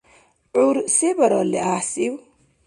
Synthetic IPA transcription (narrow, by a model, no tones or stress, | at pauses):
ʕuɾsebɐɾɔleasiw